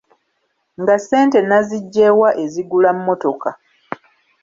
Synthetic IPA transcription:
ŋɡase̞ːnte̞naziɟːewaʔe̞ziɡulamːo̞to̞ka

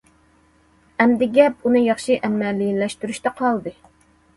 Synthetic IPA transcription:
ɛmd̪ɪɡʲɛp̚unɨjɑχʃɨʔɛmːɛlːijinlɛʃt̪yɾyʃt̪ɛqʰɑlˠd̪ɨ

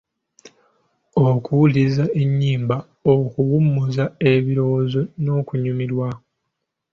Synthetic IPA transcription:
okʰuwulizae̞ɲːiːmba | okuwumːuzae̞βiɾo̞wozo̞no̞ːkuɲumilwa

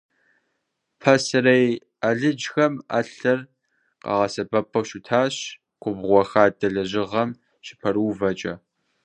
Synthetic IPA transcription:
pʰɐsrej | aɮɨd͡ʒxɐma̰ːɬɐr | qɑ̰ʁɐsɐbɐpʰɐwɕutʰaːɕ | qʷʊbʁʷɔxaːdɐɮɐʑɪʁɐm | ɕɪ̥pʰɐruːvɐt͡ʃʼɐ

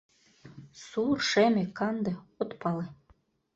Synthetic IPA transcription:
surʃemʲekɑnd̪ɤ̆ot̪pɑle

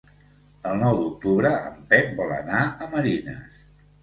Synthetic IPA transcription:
əlˠnɔwd̪uk̚t̪uβɾəə̰mpɛk̚bɔlə̰naəməɾinə̰s

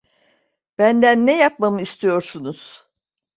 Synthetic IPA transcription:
b̥ænd̪ænːɛjap̚mamɯist̪ʰijo̞ɾsunuz̥

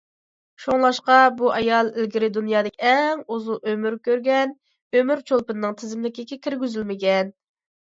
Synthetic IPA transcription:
ʃoŋlˠɑʃqɑbuʔɑjɑlˠɪlɡʲiɾɪd̪unjɑːd̪ɪkʲɛŋozuʔømyɾkʲøɾɡʲɛn | ømyɾt͡ʃʰolˠpɨnɨnɨŋt̪ʰɪzɪmlɪkʲɪkʲɛkʲʰɪɾɡʲyzylmɪɡʲɛn

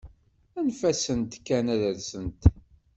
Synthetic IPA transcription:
ænfæsənt̪kːænæðəɾsənt̪

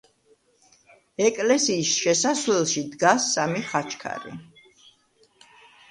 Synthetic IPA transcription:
ɛkʼlɛsiːsʃɛsaswlɛlˠʃid̪ɡasːamiχat͡ʃʰkʰa̰ɾḭ

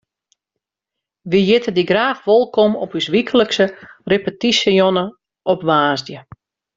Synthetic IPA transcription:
ʋijɪtʰədiɡraːfʋolˠkomɔpysʋikʰələksərepətisəjonə | ʔɔpʋaːzdjə

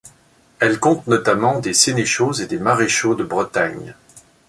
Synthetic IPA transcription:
ɛlkɔ̃t̪nɔt̪amɑ̃d̪eseneʃozed̪emaʁeʃod̪əbʁət̪aɲ

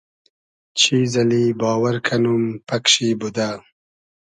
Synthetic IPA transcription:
t͡ʃʰizɐlibɑːwaɾkʰɐnumpɐkʂibud̪a

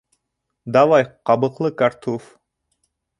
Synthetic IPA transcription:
d̪ɑwɑjqɑbɤ̆qlˠɤkart̪of

